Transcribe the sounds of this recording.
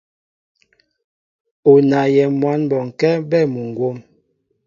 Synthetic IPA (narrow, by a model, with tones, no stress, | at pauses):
o˨na˨jɛ˨mwa˨˦nbɔ˨ŋ̩˨kɛ˦bɛ˦˨mu˨ŋɡwo˦m